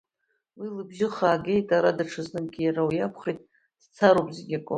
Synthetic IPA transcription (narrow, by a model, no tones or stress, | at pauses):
wilɨbʒɪχaːɡʲe̞jtʼaɾadaʈ͡ʂʰɨznɨmɡʲijaɾawjapʰχejtʼ | d̥t͡sʰaɾopʼzeɡʲakʼʊ